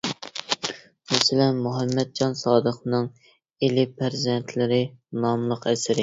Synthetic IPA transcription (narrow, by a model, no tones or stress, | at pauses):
mɛsɪlɛnmuɦɛmːɛd̪̚d͡ʒɑnsɑːd̪əχnɨŋ | elɪpʰæɾzɛnt̪ʰlɪɾɪnɑmlˠəqɛsɪɾɪ